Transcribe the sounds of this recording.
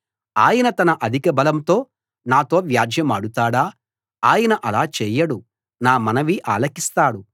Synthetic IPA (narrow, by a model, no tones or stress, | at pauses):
aːjɐnɐt̪ɐnɐʔɐd̪ʱikɐbɐlɐmt̪o̞ː | naːt̪o̞ːʋjaːd͡ʒʱjɐmaːɽut̪aːɽaː | aːjɐnɐʔɐlaːt͡ʃɛːjɐɽu | naːmɐnɐʋiʔaːlɐkist̪aːɽu